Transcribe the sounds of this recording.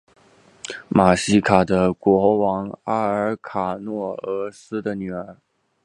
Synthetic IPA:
ma˨˩ɕi˥kʰa˨˩d̪ə˦kwɔ˧˥wɑ˧˥ŋa˥ə˞˧˥kʰa˨˩nwɔ˥˩ɤ˧˥sɹ̩˥d̪ə˨ny˨˩ə˞˧˥

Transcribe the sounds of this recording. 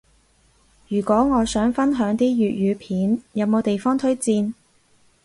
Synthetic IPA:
jyː˨˩kʷɔː˨˥ŋɔː˨˧sœː˨˥ŋfɐ˥nɦœː˨˥ŋt̪iː˥jyː˨t̚jyː˨˧pʰiː˨˥njɐ˨˧wmo˨˧wt̪e˨jfɔː˥ŋt̪ʰɵ˥ɥt͡siː˧n

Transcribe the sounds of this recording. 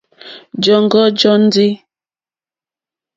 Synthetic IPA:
d͡ʒɔ˦˨ŋ˦ɡɔ˦d͡ʒɔ˦n̩˦di˦

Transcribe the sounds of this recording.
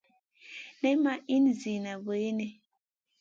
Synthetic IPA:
nɛ˦ma˦ʔi˦n˨zi˨na˨bə˨e˦ne˨

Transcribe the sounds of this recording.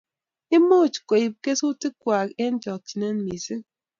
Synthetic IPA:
i˦mo˦˨t͡ʃko˨i˨p̚ke˦su˦ti˦kwa˨ke˦n˦d͡ʒɔ˨k̚t͡ʃi˨ne˦nmi˨si˦

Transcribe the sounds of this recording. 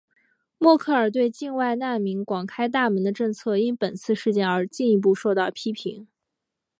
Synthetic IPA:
mwɔ˥˧kʰɤ˥˩ə˞˨˩t̪̬we˥˧ɪt͡ɕi˥˧ŋwa˥˧ɪna˥˩mi˧˥ŋkwɑ˨˩ŋkʰa˥ɪt̪̬a˥˩mə˧˥nd̪ə˧ʈ͡ʂɤ˥˧ŋt͡sʰɤ˥˩i˥npə˨˩nt͡sʰɹ̩˥˧ʂɻ̩˥˧t͡ɕjɛ˥˩nə˞˧˥t͡ɕi˥˩ni˧˥p̬u˥˧ʂo˥˧ʊt̪ɑ˥˩ʊpʰi˥pʰḭ˧˥ŋ

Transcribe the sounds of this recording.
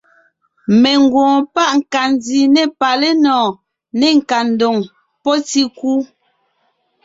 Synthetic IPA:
mɛ˨ŋ˨ɡwɔ̃ː˨pa˦ʔŋ̩˨ka˨ndi˨nɛ˦˨pa˨lɛ˦nɔː˨ | nɛ˦˨ŋ̩˨ka˨n̩˨do˨ŋ | pɔ˦ti˦kuː˦

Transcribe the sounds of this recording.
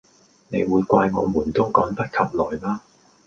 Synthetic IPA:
ne˨˧jwuː˨˧jkʷwaː˧jŋɔ̰ː˨˧muː˨˩nt̪ʊ˥wkɔː˨˥ŋp̪ɐ˥t̚kʰɐ˨p̚lɔː˨˩jlaː˥

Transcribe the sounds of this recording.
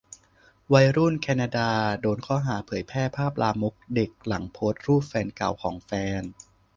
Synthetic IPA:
wa˧jɾu˥˩nkʰɛː˧naː˧daː˧doː˧nkʰɔː˥˩ɦaː˩˦pʰɤː˩˦jpʰɛː˥˩pʰaː˥˩p̚laː˧mu˦˥k̚de˨˩k̚la˩˦ŋpʰoː˦˥t̪̚ɾuː˥˩fɛː˧nka˨˩wkʰɔː˩˦ŋfɛː˧n

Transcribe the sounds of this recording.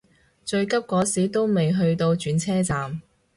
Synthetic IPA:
t͡ʃɵ˧ɥkɐ˥p̚kɔː˨˥siː˨˥t̪o˥wme˨jɦɵ˧ɥt̪o˧wt͡ʃyː˨˥nt͡sʰɛː˥t͡saː˨m

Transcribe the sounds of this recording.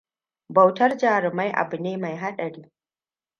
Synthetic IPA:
bɐ˨wtɐ˦rd͡ʒaː˨ɾɪ˨ma˦jʔa̰˨bʊ˨neː˦ma˨jɦa˦ɗɐ˨ɽiː˦

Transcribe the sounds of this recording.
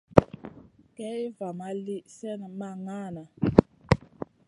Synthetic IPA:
kɛ˦i˦va˨ma˦li˦sɛ˦na˨ma˨ŋa˦˨na˨

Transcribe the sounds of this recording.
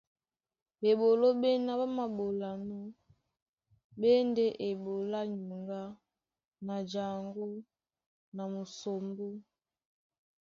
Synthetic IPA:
ɓe˨ɓo˨lo˦ɓɛ˦na˦ba˦ma˨ɓo˨la˨nɔ˦ | ɓɛ˦ndɛ˦ʔe˨ɓo˨la˦ɲu˨ŋɡa˦ | na˨d͡ʒa˨ŋɡo˦ | na˨mu˨so˨mbo˦

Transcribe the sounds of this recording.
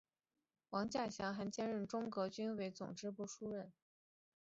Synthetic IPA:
wɑ˧˥ŋt͡ɕja˥˩ɕjɑ˧˥ŋxa˧˥nt͡ɕjɛ˥nɻə˥˩nʈ͡ʂʊ˥ŋkɤ˧˥t͡ɕy˥nwe˧˥ɪt͡sʊ̰˨˩ŋʈ͡ʂɻ̩˥pu˥˩ʂu˥ɻə˥˩n

